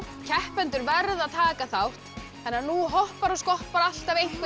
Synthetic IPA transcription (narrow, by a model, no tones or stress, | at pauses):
cʰɛhpɛnt̪ʏɾvɛɾðaðt̪ʰaːkaθawht̪ | θɛnːaɾnuɦɔhpaɾɔskɔhpaɾal̥t̪avejŋ̥kv